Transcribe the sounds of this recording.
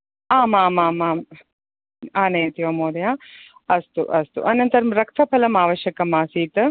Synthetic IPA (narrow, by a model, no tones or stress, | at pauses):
aːmaːmaːmaː | aːnɐjɐt̪ijʋɐmoːd̪ɐjaː | ɐst̪uʔɐst̪ṵʔɐnɐnt̪ɐɾɐmɾɐk̚t̪ʰɐpʰɐlɐmaːʋɐʃjɐkɐmaːsiːt̪